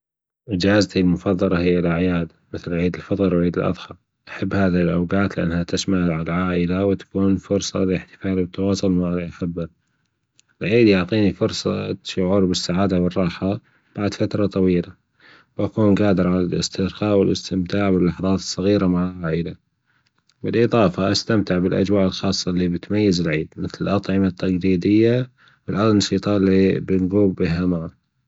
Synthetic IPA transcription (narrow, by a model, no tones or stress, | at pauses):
ʔɪd͡ʒaːzat̪ilmʊfɑðˤːɑlɑhɪjːalʔaʕjaːd̪mɪθlʕiːd̪ɪlfɑt̪ˤɑɾwʕiːd̪ɪlʔɑ̰ðˤhɑl | ʔaħabːhaːðihɪlʔawɡaːt̪lɪʔa̰nːhat̪ɪsmaʕʕalʕaːʔɪlawɪt̪ḁkuːnfʊɾsˤɑ̰lɪħt̪ɪ̥faːlwɪt̪ːɑwɑːsˤʊlmaʕalʔaħabːa | ɪlʕiːd̪jʊʕt̪ˤiːnifʊɾsˤɑ̰ʃʊʕuːɾbɪsːaʕaːd̪awɨrˤːɑːħa | b̥aʕd̪fat̪ɾˤɑt̪ˤɑwiːla | wʔakuːnɡaːd̪ɪɾʕalalɪ̰st̪ɪɾxɑːʔwɪlʔɪst̪ɪmt̪aːʕwɪlːaħðˤɑːt̪ɨ̥sˤːɑɣiːɾamaʕaaʕid̪a | bɪlʔɨðˤɑːfaʔast̪amt̪ɪʕbɪlʔa̰d͡ʒwaːʔɪlxɑːsˤːɑlːibɪt̪majːazɪlʕiːd̪mɪθlɪlʔɑt̪ˤʕɪmat̪ʰːaɡɾiːd̪ɪjːa | wɪlʔɑnɑʃiːt̪ˤɑːʔlːibɪnɡuːbbiɦamaʕa